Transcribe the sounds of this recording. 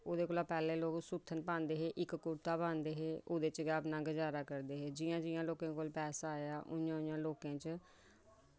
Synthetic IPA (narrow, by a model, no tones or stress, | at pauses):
oːd̪eːkoːlaːpɛːlẽːloːksut̪ʰːənpãːnd̪eːɦeːʔɪkkʊɽt̪aːbaːnd̪eːɦeːoːd̪eːt͡ʃɡaːpnãːɡəd͡ʒaːɾaːkəɾd̪eːɦeːd͡ʒɪːjãːd͡ʒɪjãːloːkãːkoːlpɛːsaːjaːʔʊjãːʊjãːloːkãːt͡ʃ